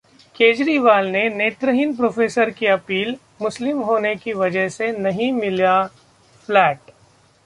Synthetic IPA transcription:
keːd͡ʒɾiʋaːlneneːt̪ɾəɦɪnpɾoːfʰeːsəɾkiɐpiːl | mʊslɪmɦoːnekiʋɐd͡ʒəɦsenɐɦĩmɪlia | flɛːʈ̚

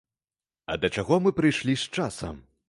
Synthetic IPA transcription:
ɐ̰d̪ɐt͡ʂaɣɔmɨpɾɨjʂlʲist͡ʂasɐ̰m

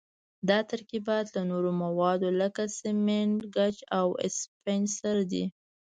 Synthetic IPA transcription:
d̪ɑt̪aɾkibɑjat̪lanoɾomawɑd̪oləkasɪmeɳɡat͡ʃawɪ̰spensaɾd̪ḭ

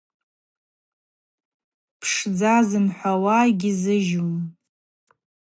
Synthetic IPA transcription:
pʰʂd͡zazɨnħʷawaːɡʲizɨʒum

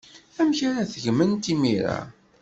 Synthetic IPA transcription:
æmçaɾæθəʝmənt̪imiɾa̰

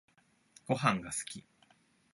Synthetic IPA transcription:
ɡ̥o̞ɦãŋɡasɨ̥kʲi

